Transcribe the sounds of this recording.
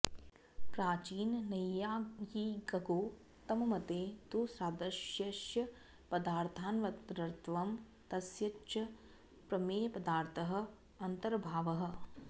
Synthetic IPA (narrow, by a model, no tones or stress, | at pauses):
pɾaːt͡ʃiːnːɐjaːjiːɡɐɡoː | t̪ɐmɐmɐt̪eːt̪uːsɾaːd̪ɐʃjɐʃjɐ | pɐd̪aːɾt̪ʰaːnʋɐt̪ɾɐɾt̪ʰʋɐm | t̪ɐsjɐt͡ʃɐ | pɾɐmeːjɐpɐd̪aːɾt̪ʰɐɦɐ̆ | ɐnt̪ɐɾɐbʱaːʋɐɦɐ̆